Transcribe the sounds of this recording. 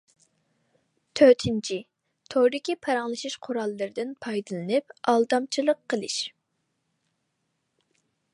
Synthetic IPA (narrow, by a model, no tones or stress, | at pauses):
t̪ʰøt̪ʰɪnt͡ʃʰi | t̪ʰoɾɪkʲʰipʰɑɾɑŋlˠɨʃɨʃqʰʊɾɑlˠːɨɾɨd̪ɨnpʰɑjd̪ɨlˠɨnɨp̚ɑlˠd̪ɑmt͡ʃʰilˠəqʰːəlˠɨʃ